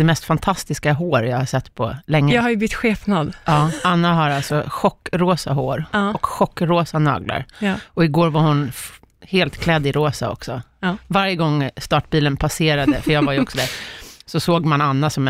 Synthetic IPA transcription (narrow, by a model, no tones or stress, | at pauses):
d̥̪ɛmɛst̪fant̪ʰast̪ɪskaɦoːɾjaːɡhasɛt̪ːpʰɔ̰lɛŋːəhajɵbʏt̪ːɧeːfnad̪ɑːanːaɦaɾalsɔɧɔkːɾoːsaɦoːɾɔkɧɔkːɾoːsanɑ̰ːɡla̰ɾɔɪɡoːɾvaɾhʊn | heːlt̪kʰlɛd̪ːɪɾoːsa̰ɔ̰ksɔvaɾjəɡɔŋːst̪ɑːʈ̚biːlənpʰaseːɾad̪əfœjaːɡvajɵɔksɔd̪æɾsɔsoːɡmananːasɔmɛ